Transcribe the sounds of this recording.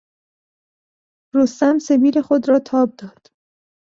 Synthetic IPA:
ɾost̪æmse̞biːle̞xo̞d̪ɾɒːt̪ʰɒːb̚d̪ɒːd̪̥

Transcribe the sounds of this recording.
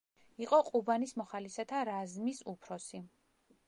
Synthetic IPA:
iqʼɔqʼubanismɔχalisat̪ʰaɾazmisupʰɾɔsi

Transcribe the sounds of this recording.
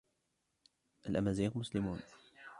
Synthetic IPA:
ʔalʔamaːziːɣmʊslɪmuːn

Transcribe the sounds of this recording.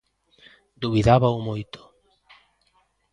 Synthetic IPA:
d̪uβiðaβaumojt̪o̥

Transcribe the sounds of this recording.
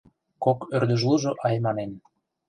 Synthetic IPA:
kokørd̪ə̆ʒluʒŏʔɑjmɑnen

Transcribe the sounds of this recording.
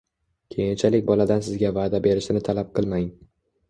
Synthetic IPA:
kʲʰejɪnt͡ʃʰalɪkʲbɒlad̪ansɪzɡʲavaːd̪abe̞ɾɪʃɪnɪt̪ʰalap̚qʰɨlˠmajŋ

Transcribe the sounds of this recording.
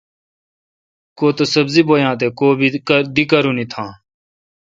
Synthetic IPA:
koːt̪osəbziːboːjãːt̪̬eːkoːbʱid̪ikəɾũːnĩːt̪ʰãː

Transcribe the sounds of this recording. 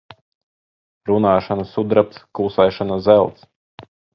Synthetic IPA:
ɾunaːʃanɐsud̪ɾap̚t̪skulsɛjʃanazɛlˠt̪s

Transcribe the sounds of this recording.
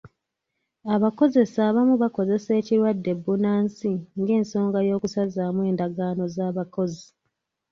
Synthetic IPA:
aβako̞ze̞saːβamuβako̞ze̞se̞ːciɾwadːe̞bːunaːnsiŋɡe̞ːnso̞ːŋɡajo̞ːkusazaːmwe̞ːndaɡaːno̞zaːβako̞zi

